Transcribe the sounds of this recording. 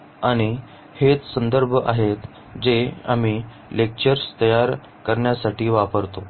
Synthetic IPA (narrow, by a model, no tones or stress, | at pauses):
aɽ̃i | het͡ssənd̪əɾbʱəʔaɦet̪ | d͡zea̰miː | lek̚t͡ɕəɾst̪əjaɾ | kəɾɳjasaʈiːʋapəɾt̪o